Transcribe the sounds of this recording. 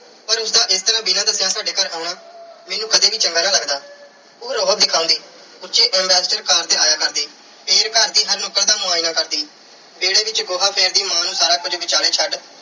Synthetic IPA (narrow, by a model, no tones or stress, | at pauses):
pəɾʊsd̪aːʔɪst̪əɾãːbɪnãːd̪əsɪjãːsaːɖeːkəɾaːɽ̃aːmɛːnũːkʰəd̪eːʋiːt͡ʃəŋɡaːnãːləɡd̪aː | oːɾɔːət̪̚d̪ɪkʰãːʊ̃ːnd̪iː | ʊt͡ʃeːʔɛ̃mbɛːsʈəɾkaːɾd̪ɪlaːjaːkəɾd̪iː | peːɾkəɾd̪iːɦəɾnokəɾd̪aːmʊaːinãːkəɾd̪iː | beːɽeːʋɪt͡ʃɡoːɦaːpʰeːɾd̪iːmãːnũːsaːɾaːkʊd͡ʒbɪt͡ʃaːɽeːt͡ʃʰəɖ